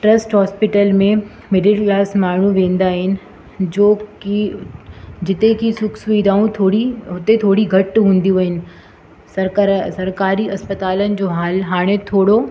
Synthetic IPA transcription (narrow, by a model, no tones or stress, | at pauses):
ʈɾɐsʈɦɔːspɪʈəlmẽ | meɖɪlklaːsmaːɳ̤ũʋẽːnd̪aːɦɪnɪ̆ | d͡ʑoːki | d͡ʑɪt̪ekʰisʊksʊiːd̪aːũt̪ʰoːɽiɦʊt̪et̪ʰoːɽiɡʱɐʈɦũːnd̪ijũaːɦɪnɪ̆ | sɐɾsɐɾkaːɾiɐspət̪aːlənɪ̆d͡ʑoːɦaːlɦaːɽ̃et̪ʰoːɽo